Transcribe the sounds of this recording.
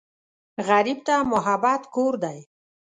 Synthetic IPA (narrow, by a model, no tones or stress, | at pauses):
ɣaɾib̚t̪amʊɦabat̪koɾd̪aj